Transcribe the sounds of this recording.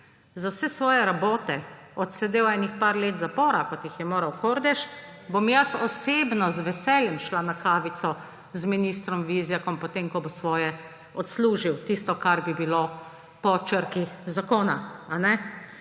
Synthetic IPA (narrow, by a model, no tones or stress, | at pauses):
zawsɛsʋɔːjɛɾaboːt̪ɛɔt̪sɛd̪eːwɛnixpaɾleːt̪zapɔːɾakɔt̪jixjɛmoːɾɐwkoːɾd̪ɛʃbomjasɔseːbnɔzʋɛsɛːljɛmʃlanakaːʋit̪sɔ | zminiːst̪ɾɔmʋiːzjakɔmpɔt̪eːmkɔbosʋɔːjɛ | ɔt̪sluːʒiwt̪iːst̪ɔkaɾbibilo | pɔt͡ʃəɾkizakoːnaanɛ